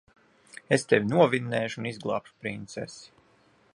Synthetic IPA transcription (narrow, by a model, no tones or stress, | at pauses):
est̪evʲinuɔvinːɛːʃunizɡlˠɑːpʃu̥pɾint̪sɛ̰si̥